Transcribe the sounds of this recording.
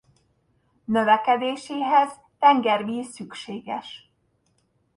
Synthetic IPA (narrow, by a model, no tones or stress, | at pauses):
nøvɛkɛd̪eːʃeːɦɛz | t̪ɛŋɡɛrmiːsykʃeːɡɛ̰ʃ